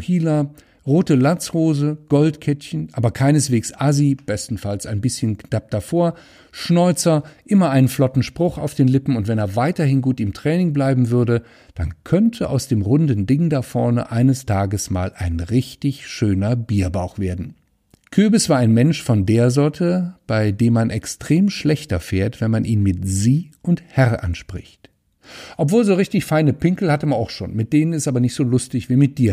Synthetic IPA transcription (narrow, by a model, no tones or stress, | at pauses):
hiːla | ʁoːtəlant͡shoːzəɡ̥ɔltkʰɛtçənʔaːbɐkʰaɪnəsv̥eːksʔazib̥ɛstn̩falsaɪnbɪsçənkd̥ap̚d̥afoːɐ | ʃnɔʏt͡sɐʔɪmɐʔaɪnənflɔtn̩ʃpʁ̥ʊχa̰ʊfd̥eːnlɪpm̩ʊntv̥ɛneːɐvaɪtɐhɪnɡuːtɪmtʁ̥ɛːnɪŋblaɪbm̩vʏɐdə | d̥a̰nkʰœntʰəʔa̰ʊsd̥eːmʁʊndn̩dɪŋdafɔɐnə̰ʔaɪnəstʰaːɡəsma̰ːlʔa̰ɪnʁɪçtɪçʃøːnɐbiːɐbaʊxv̥eːɐdn̩ | kʰøːbɪsv̥aːɐaɪnmɛnʃfɔndeːɐzɔɐtʰəb̥aɪdeːmːanʔɛkstʁ̥eːmʃlɛçtɐfeːɐtv̥ɛnmanʔiːnmɪtz̥iːʔʊnthɛʁʔa̰nʃpʁ̥ɪ̰çt | ʔɔpv̥oːlzoːʁ̞ɪçtɪçfaɪnəpɪŋkl̩hatəmanaʊxʃo̰ːnmɪt̚d̥eːnənɪstʔaːbɐnɪçtz̥oːlʊstɪçv̥iːmɪt̚d̥iːɐ